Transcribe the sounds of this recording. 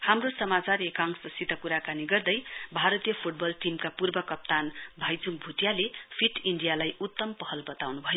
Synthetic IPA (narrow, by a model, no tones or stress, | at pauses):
hamrosʌmat͡saɾekaŋsʌsit̪ʌkuɾakaniɡʌrd̪ʌjbʱaɾʌt̪ijʌpʰuʈ̚bʌlʈimkapurbʌkʌp̚t̪anbʱajd͡zuŋk̚bʱuʈjalepʰiʈiɳɖijalajut̪ːʌmpʌɦʌlbʌt̪awnubʱʌjo